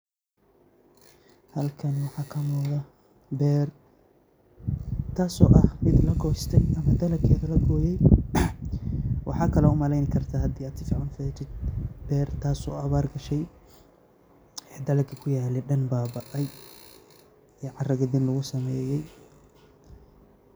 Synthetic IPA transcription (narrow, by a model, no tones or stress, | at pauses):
hɐlkʰɐnwɑħɑːkʰɐmʊːðɐ | bɛːr | t̪ʰaːsɔːʔɐhmɪd̪lɐɡɔːst̪ʰɛjʔɐmɐd̪ɐlɐkʰɛːðɐlɐɡɔːjɛj | wɑ̰ħɑːkʰɐlɔʊmɐlɛjnɪkʰɐrt̪ʰaɦɐd̪iːaːd̪sɪfiːʕʊːnfɛːt͡ʃɪd̪̚bɛːrt̪ʰaːsɔ̰ːɐβaːrɡɐʃɛj | ʔɛːd̪ɐlɐkʰɐkʰʊjaːlɛɖɐnbaːbɐʔɐj | ɛʕɑrɐɣɐðɪnlʊɣʊsɐmɛːjɛj